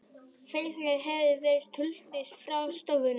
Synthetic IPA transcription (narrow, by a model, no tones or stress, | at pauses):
fejlɛɦɛvðɪrejst̪hʏlt̪ɪst̪fɾawst̪owvʏn